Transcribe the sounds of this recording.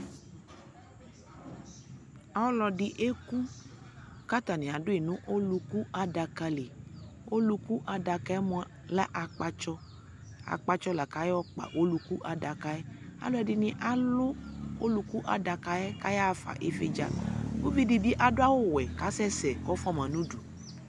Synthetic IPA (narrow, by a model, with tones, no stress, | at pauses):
a˨wɔ˦lɔ˧di˨ʔe˦ku˦ | ka˦t̪a˨nĩ˨a˨dʊ˦i˨nũ˦ʔo˦lu˧ku˦ʔa˨da˧ka˧le˨o˦lu˧ku˦ʔa˨da˧ka˧ɛ˦mũ˦a˦ | la˦ʔa˨k͡pa˦t͡ʃɔ˦ | a̰˨k͡pa˦t͡ʃɔ˦la˨ka˨˦ɛ˦wɔ˦k͡pa̰˨ʔo˦lu˨ku˦ʔa˨da˨ka˨ɛ˦a̰˨lo˦ɛ˦di˨nĩ˦ʔa˨˦lʊ˦o˦lu˦ku˦ʔa˨da˨ka˨ɛ˦ka˨˦ja˦˨fa̰˨ʔe˨fḛ˦d͡ʒa̰˨ko˦vi˦di˨di˦ʔa˨dʊ˦a˦wo˦wɛ˨ka˨˦sɛ˦sɛ˨kɔ˦fɔ˦mã˨nũ˦du˨